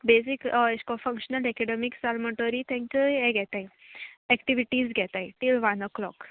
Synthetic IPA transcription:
besikeskɔfə̃ŋkɕənəlɛkɛɖemiksalməʈoɾit̪ʰɛ̃ŋkəɛɡʱɛt̪ajɛkʈiʋiʈiːzɡʱɛt̪ajʈilʋanəklɔ̰k

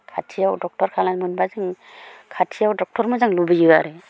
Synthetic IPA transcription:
kʰatʰijawdɔk̚tɔɾkʰalanmɯnbazɯŋ | kʰatʰijawdɔk̚tɔɾmɔzaŋlubɯjɯaɾe

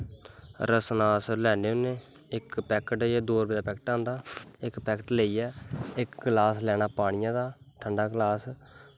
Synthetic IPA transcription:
ɾəsnaːslɛːneːʊnẽː | ɪkpɛːkəʈːɛːd̪oːɾbeːd̪aːpɛːkəʈãːnd̪aːɪkpɛːkəʈleːiːɛːɪkɡlaːslɛːñaːpaːɽ̃ɪjãːd̪aː | ʈʰəɳɖaːɡlaːs

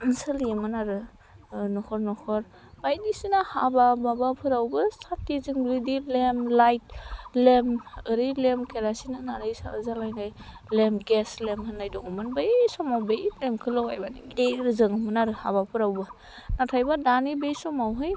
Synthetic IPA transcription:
ɯnsɯlijemɯnaɾɯ | nɔhʰɔɾnɔhʰɔɾ | bajdisinahabababapʰɯɾawbɯsʰatːizɯŋblidilemlajt̚lemɯɾilemkʰeɾasinɯnaɾɯjsa̰ɾɯzalajnaj | lemɡeslemhɯnːajdɔŋɯmɯnbasɔmawbelemkʰɯlawa̰jbanidejɾɯzɯŋɯmɯnaɾɯha̰bapʰɯɾawbɯ | natʰajbadanibejsɔmawɦɯj

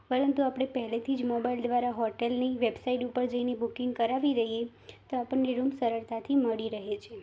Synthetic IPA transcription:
pəɾənt̪uapɽ̃epəɦɛlet̪ʰid͡ʒmobaild̪ʋaɾaɦɔʈelneʋebsaiʈupəɾd͡ʒəinebukĩŋɡkəɾaʋid̪əɦije | t̪oapəɳːeɾumsəɾəɭt̪ʰat̪ʰiməɭiɾəɦet͡ʃʰe

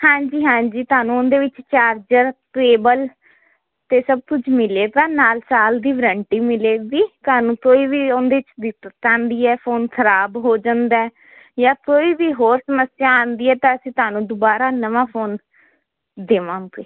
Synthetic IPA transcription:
hãːɲd͡ʒiːɦãːɲd͡ʒiːt̪ʊaːnũːʊnd̪eːʋɪt͡ʃt͡ʃaːɾd͡ʒəɾʈɾeːbəl | t̪eːsəb̚k̪ʊt͡ʃʰmɪleːt̪ãːnaːlsaːld̪iːʋɾəɳʈiːmɪleːɡ̪iːt̪aːnũːkoːiːʋiːʊnd̪eːɪt͡ʃd̪ɪt̪ːãːnd̪iːɛːpʰoːnkʰəɾaːbɦoːd͡ʒãːnd̪ɛː | jãːkoːiːʋiːɦoːɾsəməsɪjaːãːnd̪iːɛːt̪ãːəsĩːt̪ʊaːnũːd̪ʊbaːɾaːnəʋãːpʰoːn | d̪eːʋãːɡ̪eː

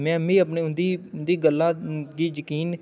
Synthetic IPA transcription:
mɛ̃ːmĩːəp̬ɳeːʊnd̪iːnd̪iːɡəlːãːɡiːjəkiːn

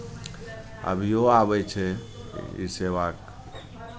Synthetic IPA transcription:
ə̰bʱijoabɛt͡ʃʰɛ | ḭseʋak

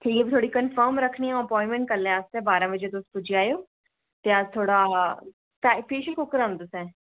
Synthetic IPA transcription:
ʈʰiːkːbt̪ʰoːɽikənfəːɾmɾəkʰniːɛ̃əpɔːɪ̃mɛ̃ɳʈ̚kəlːẽast̪ɛ̃ːbaːɾãːbəd͡ʒet̪ʊspʊd͡ʒiaːjoː | t̪eəzt̪ʰoːɽaː | papeːʃəkʰokəɾãːnd̪ʊsɛ̃ː

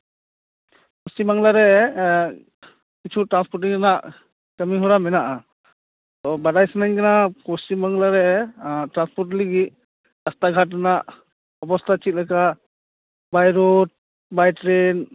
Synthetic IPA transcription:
kɔstimaŋlaɾɛ | kit͡ʃʰuʈɾanspɔɾʈiŋanaʔ | kəmiɦɔɾamɛnaʔa | t̪ɔbadajsanaɲkanakɔsimaŋlaɾɛtɾanspɔɾʈ̬liɡi | dast̪aɡʱat̚ːanaʔ | ɔbɔst̪ʰat͡ʃit̪̚laka | bajɾɔt̚ | bajtɾen

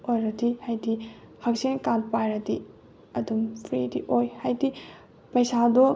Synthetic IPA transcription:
ojɾɐdihajdihʰak̚sinkan̚pajɾɐti | ɐdumpʰɾḭdḭʔojhajdi | pɐjsadɔ

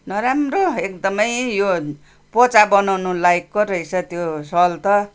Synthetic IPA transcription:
nʌɾamroek̚d̪ʌmʌjjo | pot͡sabʌnawnulaikːoɾʌit͡sʰʌt̪josʌlt̪ʌ

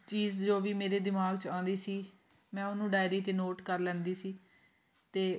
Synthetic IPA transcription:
t͡ʃiːzd͡ʒoːʋiːmeːɾeːd̪ɪmaːɡt͡ʃãːnd̪iːsiː | mɛ̃ːʊnũːɖaːɪɾiːt̪eːnoːʈkəɾlɛ̃ːnd̪iːsiː | t̪eː

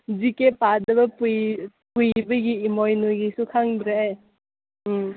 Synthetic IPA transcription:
zikepadɐbɐpuj | pujbɐɡiːmojnojɡisukʰaŋbiɾaaj

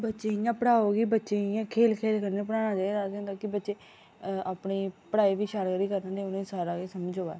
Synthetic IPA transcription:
bətːʃeːɪjãːpəɽaːoːɡiːbətːʃeːɪjãːkʰeːlkʰeːlkəɾneːpəɽaːnãːd͡ʒaːeːd̪aːsẽːd̪aːkɪbətːʃeː | aːpɳiːpəɽaːiːʋiːʃaːɾɡəɾiːkəɾnãːd̪eʊnẽːsaːɾaːkeːsəməd͡ʒoːa̰ː

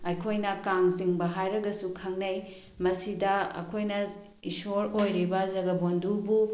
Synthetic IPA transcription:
ɐjkʰojnɐkaŋziŋbɐɦajɾɐɡɐsukʰɐŋnɐj | mɐsidɐɐ̰kʰojnɐ | isoɾojɾibɐzɐɡɐbondubu

